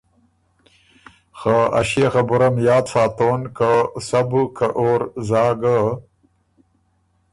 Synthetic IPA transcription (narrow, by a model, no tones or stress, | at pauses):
xaa̰ɕexabuɾamjɑːt̪saːt̪oːnkasabukʰaʔoːɾzɑːɡə